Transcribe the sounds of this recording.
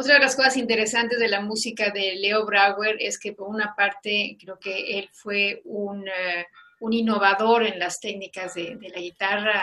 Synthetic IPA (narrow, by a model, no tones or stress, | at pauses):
ot̪ɾaðelasko̞sasint̪e̞ɾe̞sant̪e̞zðe̞lamusikaðe̞le̞o̞βɾaɣwe̞ɾe̞̰skepo̞ɾunapaɾt̪e̞kɾe̞oke̞elfwe̞un | unino̞β̞aðo̞ɾe̞nlast̪e̞knikazðeðe̞laɣit̪ara